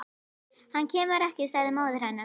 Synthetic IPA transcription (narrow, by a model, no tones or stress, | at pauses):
hancʰɛːmʏɾɛhcɪsaɣðɪmaːwðʏɾ̥hajna